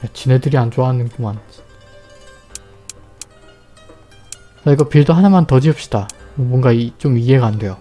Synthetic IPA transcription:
jat͡ɕine̞dɯɾiand͡ʑoaɦanɯnpuman | t͡ɕaiɡʌpiɭdoɦanamantʌd͡ʑiʌp̚ɕ͈i̥d̥aomwʌŋɡat͡ɕ͈omie̞ɡaːnde̞jo

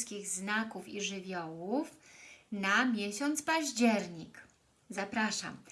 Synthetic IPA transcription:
skʲiɣznakufiʐɘvʲjɔwufnamʲjeɕɔnt̪spaʑd͡ʑɛɾɲik | zapɾaʂa̰m

